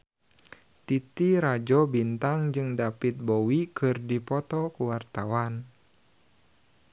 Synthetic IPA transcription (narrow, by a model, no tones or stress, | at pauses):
t̪it̪iɾad͡ʒɔbint̪aŋd͡ʒɨŋdapit̪̚bɔwikʰɨrdipɔt̪ɔkuwart̪awan